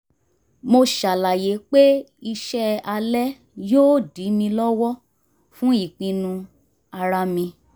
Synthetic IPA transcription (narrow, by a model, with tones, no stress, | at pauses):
mo˧ʃa˨la˨je˨˦k͡pe˦ | i˧ʃɛ˦a˧lɛ˦ | joː˦˨di˨˦mĩ˧lɔ˦wɔ˦ | fũ˦i˦˨k͡pĩ˧nũ˧ | a˧ɾa˧mĩ˧